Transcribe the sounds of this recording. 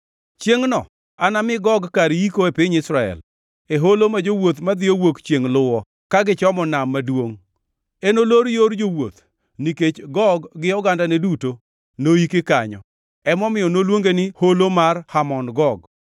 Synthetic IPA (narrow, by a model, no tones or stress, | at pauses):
t͡ʃjeŋnɔ | anamɪɡɔɡkaɾikoepɪɲɪsɾaɛ̰l | eɦolomad͡ʒowot̪mad̪ɪjowokt͡ʃjeŋlʊwɔ | kaɡɪt͡ʃɔmɔnamːadwoŋ | enoloɾjoɾd͡ʒowo̰t̪ | niket͡ʃɡɔɡːɪɔɡandaneduto | noikɪkaɲɔ̰ | ɛmɔmɪjɔnolwoŋɡenɪholomarhamɔnɡɔɡ